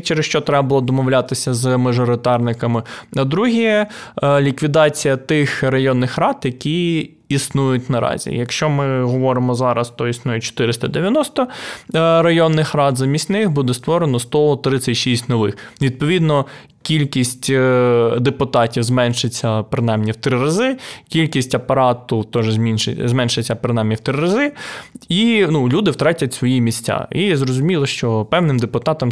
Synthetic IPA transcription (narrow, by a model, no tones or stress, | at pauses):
t͡ʃeɾesʃt͡ʃɔt̪ɾɛbɐbɐlˠɔd̪ɔmɔwlʲat̪ɪsʲɐzmɐʒɔɾɪt̪ɑrnɪkɐmɪɐd̪ɾuɦiɛlʲikʋʲid̪ɑt͡sʲijɐt̪ɪxɾɐjɔnːɪxɾɑd̪jɐkʲi | isnujʊtʲnɐɾɑ̰zʲḭjɐkʃt͡ʃɔmɪɦɔʋɔɾɪmɔzɑɾɐst̪ɔisnujɛt͡ʃɔ̥t̪ɪɾɪst̪ɐd̪eʋjɐnɔst̪ɔ | rɐjɔnːɪxrɑd̪zɐmʲisʲnɪxbud̪ɛst̪ʋɔɾenɔst̪ɔt̪ɾɪsʲɐtʲʃisʲtʲnɔʋɪxʋʲid̪̚pɔʋʲid̪nɔ | kʲilʲkʲisʲtʲ | d̪epʊt̪ɑtʲiwzmɛnʃɪt͡sʲːɐpɾɪnɑjmnʲiwt̪ɾɪɾɐzɪkʲilʲkʲisʲtʲɐpɐɾɑt̪ʊt̪ɔʒɛzmʲinʃɪzmɛnʃɪt͡sʲːɐpɾɪnɑjmnʲiwt̪ɾɪɾɐzɪinulʲud̪ɪwt̪ɾɑtʲɐtʲsʋɔjimʲisʲt͡sʲa̰izɾɔzʊmʲilˠɔʃt͡ʃɔpɛwnɪmd̪epʊt̪ɑt̪ɐm